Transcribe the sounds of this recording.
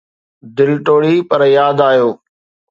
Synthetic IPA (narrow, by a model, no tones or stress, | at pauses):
d̪ɪlʈoːɽiːpəɾjaːd̪aːɦjoː